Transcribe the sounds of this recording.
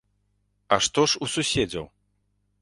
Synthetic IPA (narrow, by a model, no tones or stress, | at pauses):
ɐʂt̪ɔʂususʲed͡zʲɐ̰w